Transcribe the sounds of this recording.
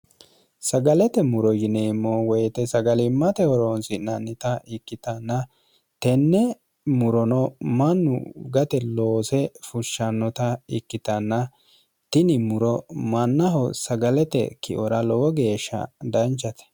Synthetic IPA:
sɐɡɐlɛt̪ɛmʊɾɔjɪneːmːowɔjɛt̪ɛsɐɡɐlɪmːɐt̪ɛwɔɾoːnsɪnɐnːɪt̪ɐɪkːɪt̪ɐnːɐ | t̪ɛnːɛ | mʊɾɔnɔmɐnːʊ̰ɡɐt̪ɛloːsɛfʊʃːɐnːɔt̪ɐɪkːɪt̪ɐnːɐ | t̪ɪnɪmʊɾɔmɐnːɐɦɔsɐɡɐlɛt̪ɛ̰kɪ̰ʔɔɾɐlɔwɔɡe̞ːʃːɐ̰d̪ɐnt͡ʃːɐt̪ɛ̥

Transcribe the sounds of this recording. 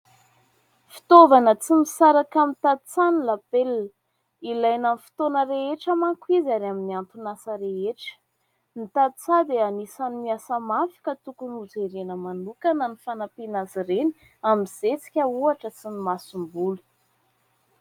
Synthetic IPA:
fi̥t̪ovanət͡simisaɾakamit̪ad̪t͡sanilapelːə | ilajnamfi̥t̪onəɾeeʈ͡ʂəmaŋkwizaɾaminiant̪unasəɾeeʈ͡ʂə̥ | nit̪ad̪t͡sad̪eanisanimiasəmafi̥kat̪ukunud͡zeɾenəmanukanənifanapinaziɾeni̥ | amiz̥et͡si̥kʲəuaʈ͡ʂət͡sinimasumbulu̥

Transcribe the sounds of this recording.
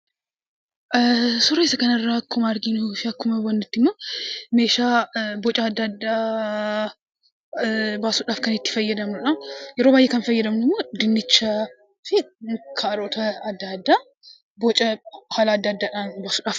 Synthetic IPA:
ʔsʊɾoɪsɐkɐnɐrːakʰːʊmaɾɡinfɪɐkːʊmɐwɐnd̪ɪt̪ːɪmːomeːʃabɔt͡ʃʼaːd̪ːad̪ːa | baːsuᶑaːfkɐnɪt̪ːɪ̥fɐjːɛd̪ɐmnʊᶑɐwjɛɾoːbaːjːɛkɐnfɐjːɛd̪ɐmnmːod̪ɪnːɪt͡ʃːa | fɪkʰɐɐɾot̪ʰɐɐd̪ːad̪ːa | bɔt͡ʃʼɐkʰaːlaːd̪ːaːd̪ːaᶑanbaːsuᶑaːf

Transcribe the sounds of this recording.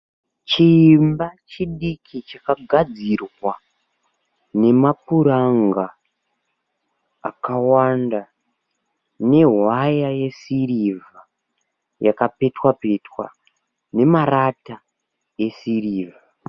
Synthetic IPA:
t͡ʃimbat͡ʃiɗikʰit͡ʃakaɡʱad͡zirwa | ne̞mapuɾaŋɡa | kawanda | ne̞ɦwajaje̞siriva | jakape̞twape̞twa̰ | ne̞marata | je̞siriːva

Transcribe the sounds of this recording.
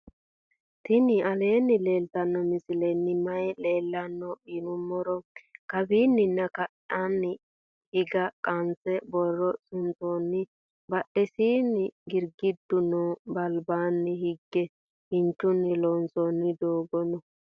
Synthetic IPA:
t̪ɪnɪʔɐle̞ːnːɪle̞ːlt̪ɐnːɔmɪsɪlɛnːɪmɐjɛle̞ːlːɐnːɔinʊmːɔɾɔkɐbiːnːɪnːɐkɐʔanːɪ | hɪɡɐkʼɐnt͡sɛbɔrːɔsʊnt͡sonːɪ | bɐʔɛsiːnːɪɡɪɾɡɪd̪ːʊnɔbɐlbaːnːɪhɪɡːɛ | hɪnt͡ʃːʊnːɪloːnsɔnːɪd̪oːɡɔnɔ

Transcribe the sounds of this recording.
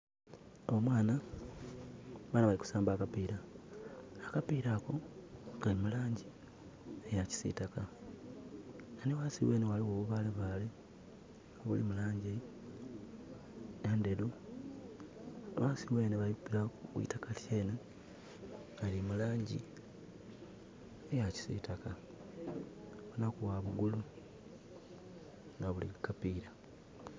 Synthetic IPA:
omwaːna | βaːnaβaliku̥saːmbaːkapiːɾaː | kapiɾako̞ɡalimulaːɲɟi | ejaci̥sḭtaka | nanewasiwe̞ːnewaliwoːβuβaleβaːle | oβulimulaːɲɟe | neːnde̞lu | aβaːsiwe̞ːneβajipiɾakuβḭtakatʰjeːne | alimulaːɲɟḭ | ejaci̥sḭtaka | βunakuwaβuɡulu | ŋɡaβulḭikapiːɾa

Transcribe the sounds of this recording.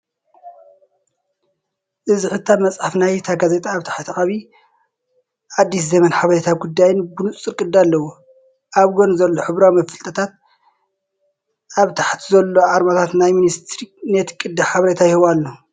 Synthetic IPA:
ʔɨziħɨt̪ʰːamɐt͡sʼħafnajt̪ʰaɡazet̪ʼaːβt̪ʰḁħt̪ʰiʔʼaβi | ʕad̪ːis̬zɐmɐnħaβɐɾet̪ʰaɡud̪ːajɨnbɨnut͡sʼt͡sʼɨɾkʼɨd̪ːalːɐwu | ʔaβɡonzɐlːoħɨβɾawmɐfɨlt̪ʼɐt̪ʰat̪̚ | ʔaβt̪ʰḁħt̪ʰizɐlːoʕaɾmat̪ʰat̪najminist̪ɾinet̪kʼɨd̪ːaħaβɐɾet̪ʰajɪhɨβalːo

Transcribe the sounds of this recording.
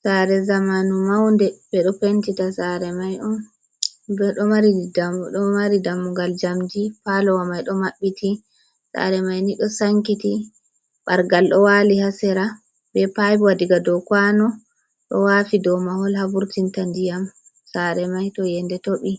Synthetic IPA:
saɾɛzamanumawndɛbɛɗɔpentitasaɾɛmajɔn | bɛɗɔmaɾidaɗɔmaɾidamːuɡald͡ʒamd͡ʒipalɔwamajɗɔmaɓːiti | sa̰ɾɛmajniɗɔsaŋkiti | ɓaɾɡalɗɔwalihasɛɾa | bɛpajbwadiɡadɔkwanɔ | ɗɔ̰wafidɔmahɔlhabuɾtintandijam | saɾɛmajtɔjɛndɛtoɓi

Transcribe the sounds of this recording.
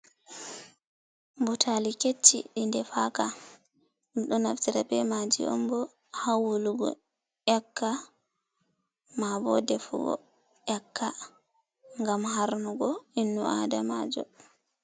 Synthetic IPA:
mbɔtʰaliket͡ʃːḭɗindɛfaka | mɗɔnaftiɾabɛmad͡ʒḭʔɔ̰mbɔ | hawuluɡɔ̰ | ʔɛkːa | mabɔ̰dɛfṵɡɔ̰ | ʔɛkːa | ŋɡamhaɾnuɡɔinːuʔadamaːd͡ʒɔ̰

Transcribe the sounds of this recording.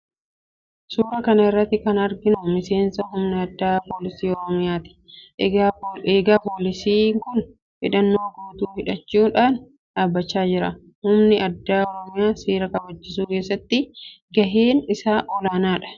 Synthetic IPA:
suːɾɐkɐnɐɪrːɐt̪ːɪkɐnɐɾɡɪnʊmɪse̞ːnsɐɦʊmnɪɐd̪ːaːpoːlɪsiːɔɾɔmɪjaːt̪ɪ̥ | eːɡaːpoːlɪsiːŋkʊn | fɪ̰ᶑɐnːo̞ːɡoːt̪uːhɪᶑɐt͡ʃːuːᶑaːn | ᶑaːbːɐt͡ʃːaːd͡ʒɪɾɐ | hʊmnɪɐd̪ːaːɔɾɔmɪjaːsiːɾɐkɐbɐt͡ʃːɪsuːkeːsːɐt̪ːɪ | ɡɐɦeːnɪsaːʔɔlaːnaːᶑɐ̥

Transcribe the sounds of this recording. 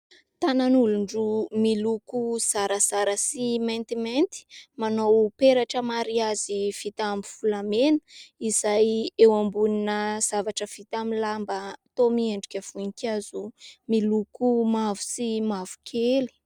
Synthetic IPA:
t̪ananuluɳɖ͡ʐumilukuz̥aɾəzaɾəsiment̪iment̪i̥manowpeɾaʈ͡ʂəmaɾiazifit̪ambifulamenə̥izajewambuninəz̥avaʈ͡ʂəfit̪amilambət̪omieɳɖ͡ʐukʲəv̥unikʲazumilukumavu̥simavu̥kʲʰeli̥

